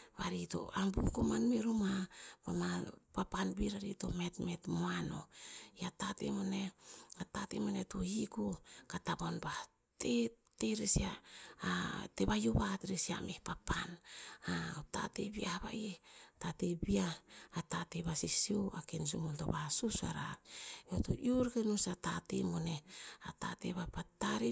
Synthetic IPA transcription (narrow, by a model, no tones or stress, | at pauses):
βaɾito̰ʔambukomanmeɾumapamapapanbiɾaɾito̰metmetmoano̰jatatḛmoneatatḛmonetohikokatabonba | teteɾesia | teβajoβatɾisia̰mʔehpapanata̰tebiahaβa̰jetatebiaːtateβasisioakens̬umunto̰βasusa̰ɾa̰oto̰juɾkenusatatemoneata̰tḛβapataɾi